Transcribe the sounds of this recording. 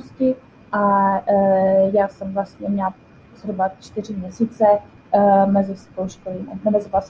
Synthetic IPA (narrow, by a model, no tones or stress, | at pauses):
scɪ | ʔa | jaːsɛmvlast̪ɲɛmɲɛl | zɾubat͡ʃt̪ɪr̝ɪmɲɛsiːt͡sɛ | mɛzɪst̪owʃkoliːmanɛmɛzɪvas